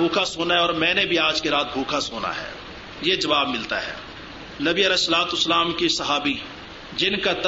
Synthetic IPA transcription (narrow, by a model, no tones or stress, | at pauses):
uːkʰasoːnaɦɛɔːɾmɛ̃ːnebʱiaːd͡ʒkeɾaːt̪̚bʱuːkʰasoːna̰ɦɛ̰ː | jed͡ʒɐʋaːb̚mɪlt̪a̰ɦɛ̰ː | nɐbiəlɛːsːəlaːt̪ʊsːəlaːmkisɐɦaːbi | d͡ʒɪnkat̪